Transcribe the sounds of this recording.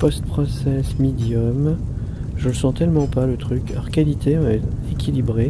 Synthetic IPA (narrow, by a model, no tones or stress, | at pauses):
pɔst̪̚pχɔsɛsmed̪jɔm | ʒənəsɑ̃t̪ɛlmɑ̃palət̪χykʰɔʁkalit̪eɔ̃ɛt̪ | ekʲilibʁe